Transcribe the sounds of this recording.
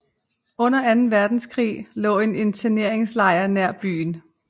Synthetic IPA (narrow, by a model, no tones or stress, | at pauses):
ɔ̽n̰ɐænn̩ʋæɐd̥n̩skʰʁḭːlɔ̰̽ːe̝ne̝nt͡sʰæne̝ɐ̰e̝ŋslɑ̈ɪɐnæɐ̰b̥y̰ːn